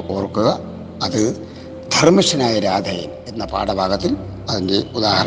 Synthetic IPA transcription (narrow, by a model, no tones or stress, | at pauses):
oːrkːuɣɐː | ðɨ | d̪̥ʱɐrmiʂɐnaːjɐɾaːd̪ʱɐjɐ̰me̞nːɐpa̰ːɽɐbʱaːɡɐt̪ːil | ɐðeŋɡiud̪aːhɐɾɐ